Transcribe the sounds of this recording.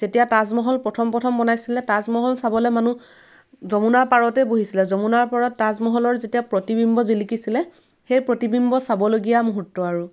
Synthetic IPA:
z̥etijatazmɔɦɔlpɹɔtʰɔmpɹɔtʰɔmbɔnajsilɛtazmɔɦɔlsabɔlɛmanu | zɔmunaɹpaɹɔtɛboɦisilɛzɔmunaɹpaɹɔtːazmɔɦɔlɔɹzetijapɹɔtibimbɔzilikisilɛ | xejpɹotibimbɔsabɔloɡijamuɦutːɔaɹu

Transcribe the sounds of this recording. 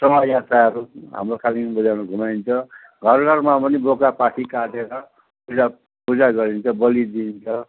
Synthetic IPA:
sʌmajasaʌɾuɦa̰mrokʰalimbud͡zawnʌɡʱumaint͡sʰʌ | ɡʱʌrɡʱʌrmapʌnibokapaʈʰikaʈeɾʌ | pud͡za | pud͡zaɡʌɾint͡sʰʌbʌlid̪int͡sʰʌ

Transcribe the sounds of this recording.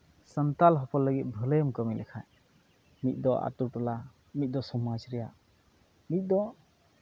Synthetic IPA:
sənt̪alɦɔpɔlːəɡit̪̚bʱələjmkəmilʔɛkʰaj | mit̪̚ˀd̪ɔʔa̰t̪uɾʈɔla | mit̪̚ˀd̪ɔsɔmad͡ʒɾɛjaʔ | mit̪̚ˀd̪ɔ

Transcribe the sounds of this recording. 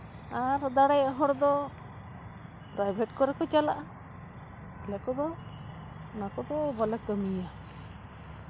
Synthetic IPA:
aɾd̪aɽajɛʔɦɔɽd̪ɔ | pɾajbʱeʈkɔɾɛkɔt͡ʃalaʔa | lɛkɔd̪ɔ | nakɔd̪ɔbalɛkəmija

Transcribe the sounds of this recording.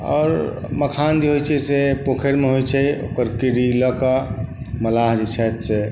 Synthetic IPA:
ɔ̰ːɾ | məkʰand͡ʒeɦojt͡ʃʰɛsepokʰeɾmeɦojt͡ʃʰɛo̰kəɾkiɾiləkə | məlaɦd͡ʒet͡ʃʰɛt̪se

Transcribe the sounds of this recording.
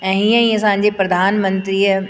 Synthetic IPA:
ɛ̃ːɦĩãĩɐs̬ãːɲd͡ʑepɾɐd̪ʱaːnmə̃nt̪ɾiːə

